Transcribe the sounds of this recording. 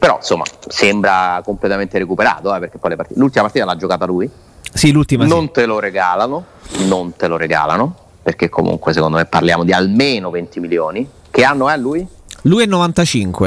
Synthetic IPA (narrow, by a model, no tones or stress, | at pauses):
peɾɔnsomːa̰sembɾakomplet̪ament̪eɾekupeɾa̰ːt̪oɛpeɾrk̟e̥pːɔjlepart̪ilult̪imapaɾt̪iːt̪alad͡ʒːokaːt̪aluːi | silult̪imanont̪eloɾeɡaːlano | nont̪eloɾeɡa̰ːlano | perk̟ekʰːomṵŋkwes̬ekond̪omepːarljaːmod̪ialmeːnovent̪imiljoːni | keanːoɛluːj | luːjɛnːovant̪at͡ʃiŋkwe